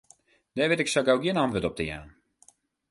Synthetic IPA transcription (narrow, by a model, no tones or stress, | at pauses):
d̥ɛːʋɪtɪksaɡawɡjɪənɑntʋətɔp̚təja̰ːn